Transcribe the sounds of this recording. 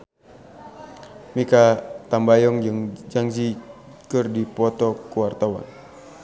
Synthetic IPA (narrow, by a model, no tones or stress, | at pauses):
mikat̪ambajɔŋŋd͡ʒaŋd͡ʒi | kɨrdipɔt̪ɔkuwart̪awa̰n